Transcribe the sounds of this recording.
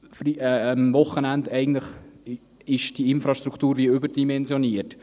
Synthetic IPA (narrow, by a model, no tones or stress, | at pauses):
fɾiəmvɔχːənændɛɪɡən̩tləχ | ɪʃd̥iɪnfɾɑʃtɾukʰtuːɾʋiʏbəɾdimɛnzjoniəɾt